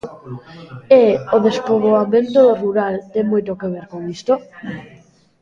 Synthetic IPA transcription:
eoðespoβoamẽnt̪oðoruɾalt̪emojt̪okeβ̞eɾkoŋist̪o

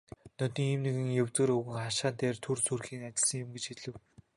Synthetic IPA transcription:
nœt̪iːŋiːmneɣɘ̆ŋjɵwt͡s̪ɘ̆ːɾɵɣɘ̆ŋχaʃaːnt̪eːrt̪ʰurt͡sʰurxiːŋat͡ɕɪ̆ɮsə̆ŋjɪ̆mɡet͡ɕxiɮɘ̆w

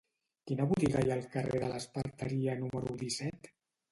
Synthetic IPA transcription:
kinəβut̪iɣajalˠkəreðələspəɾt̪əɾiənuməɾuðisɛt̪

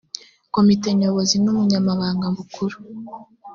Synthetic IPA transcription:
ko̞mite̞ɲo̞βo̞zinumuɲamaβaːŋɡamukuɾu̥

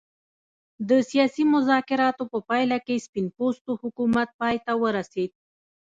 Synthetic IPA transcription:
d̪əsijɑsimʊzɑkɪɾɑt̪opəpɑjlakespɪnpost̪ohʊkumat̪̚pɑjt̪awəɾased̪̚

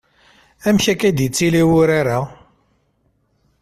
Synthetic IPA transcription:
æmçækæd̪jət͡sːiliwʊɾaɾa

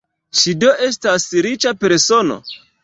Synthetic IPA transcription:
ʃido̞ʔe̞s̬tasɾit͡ʃape̞ɾso̞no̞̰

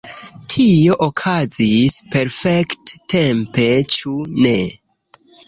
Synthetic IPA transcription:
tʰio̞ʔokʰazispe̞ɾfekttempe̞t͡ʃune

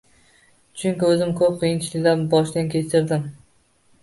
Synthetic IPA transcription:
t͡ʃʰʊŋkʲɪɵzɪmkʰɵp̚qʰijɪnt͡ʃʰɪlɪkʲlaɾbɒʃd̪ankʲʰe̞t͡ʃʰɪɾd̪ɪm

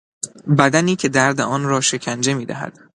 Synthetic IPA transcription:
bæd̪æniːcʰe̞d̪æɾd̪eʔɒːnɾɒːʃe̞cʰænd͡ʒe̞miːd̪æ̰ɦæ̰d̪̥

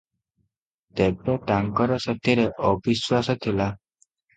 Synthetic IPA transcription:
t̪ebɾɔʈaŋkɔɾɔsɔt̪ʰiɾeʔɔbiswasɔt̪ʰila

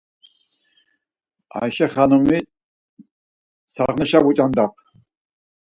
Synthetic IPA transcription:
a̰jʃɛχanumi | t͡sʰaʁnəʃabut͡ʃʼand̪ap̚ʰ

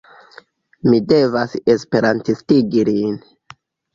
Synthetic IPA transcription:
mide̞vasespe̞ɾantistiɡilin

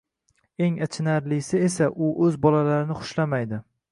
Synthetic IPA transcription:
e̞ŋat͡ʃʰɪnaɾlɪsɪesaʔʊʔɵzbɒlalaɾɪnɪχʊ̥ʃlamajd̪ɪ

